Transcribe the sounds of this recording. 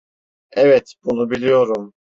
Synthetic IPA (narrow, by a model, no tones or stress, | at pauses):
ɛvɛt̪bunubilʲijo̞ɾum